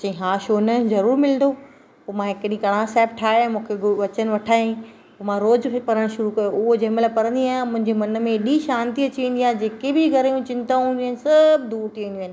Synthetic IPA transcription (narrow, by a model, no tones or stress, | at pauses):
t͡ɕɐ̃ĩɦaːʃoːnɐzɐɾuːɾmɪlnd̪o | poːmãɦɪkɗĩkɐɽ̃ãsɛːpʈʰaːmũːkʰeɡʊʋɐt͡ɕənɪ̆ʋɐʈʰaːĩ | poːmãɾoːzʰpɐɾəɽ̃ʃʊɾukɐjoʊɦod͡ʑɐɦɪ̃mlapɐɾə̃nd̪iaːɦmʊ̃ɦɪ̃ɲd͡ʑemɐnə̆mẽɗiʃaːnt̪iɐt͡ɕiʋẽːn̆d̪ijãːd͡ʑeːkebɪɡʱɐɾjũt͡ɕɪ̃nt̪ãːnĩɦnɪ̆sɐbʱd̪uːɾt̪ʰiʋẽːnd̪j̃ːnɪ̆